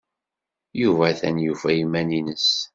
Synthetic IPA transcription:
juvæθænjuvæjimæninəs

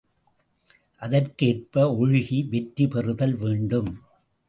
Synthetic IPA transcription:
ʔɐðɐrkeːrpɐɔɻɪɣiʋɛʈɾipɛrɯðɐlʋeːɳɖɯm

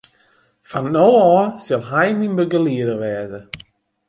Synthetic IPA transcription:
fannowɔːsɪlˠɦɛjminbəɡəliədəʋɛːzə

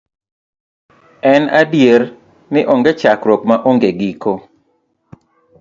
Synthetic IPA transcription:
ɛnadjer | nɪʔoŋɡet͡ʃakɾɔkmaʔoŋɡeɡiko

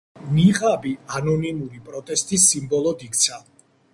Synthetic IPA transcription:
niʁabianɔnimuɾipʼɾɔt̪ʼɛst̪ʼisimbɔlˠɔd̪ikʰʼt̪sʰa

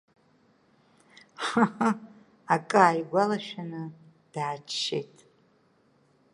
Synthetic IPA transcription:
ħa | akʼaːjɡʷalaʃᶣanɨ | d̥aːt͡ʃʰʃḛjtʼ

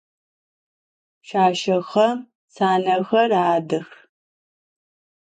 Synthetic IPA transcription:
ʃaːʃɐxɐ | saːnɐxɐraːdɨx

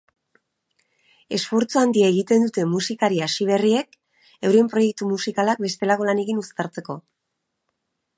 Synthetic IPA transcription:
e̞sfo̞ɾt͡suand̪iaeɣ̞it̪e̞nd̪ut̪e̞musikaɾiasiβ̞e̞rie̞k | ewɾie̞mpɾo̞je̞k̚t̪umusikalak̚be̞st̪e̞lako̞lane̞kinust̪aɾt͡se̞ko̞

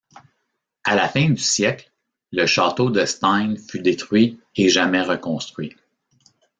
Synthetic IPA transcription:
alafɛ̃d̪ysjɛkl | ləʃɑːt̪od̪əst̪ãɪnfyd̪et̪ʁɥieʒamɛʁəkɔ̃st̪χɥi

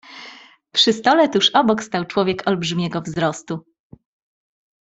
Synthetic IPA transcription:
pʂɨst̪ɔlɛt̪uʂɔbɔkst̪awt͡ʂwɔvʲjɛkʰɔlbʐɘmʲɛɡɔvzɾɔst̪u

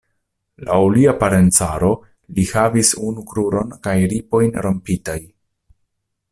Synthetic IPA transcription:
la̰wliapaɾe̞nt͡saɾo̞ | lihavisunukɾuɾo̞nkajɾipo̞jnɾo̞mpitaj

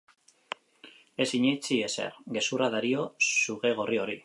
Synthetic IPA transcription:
e̞siɲet͡sie̞sḛɾɡe̞suraðaɾio̞suɣe̞ɣ̞o̞rio̞ɾi

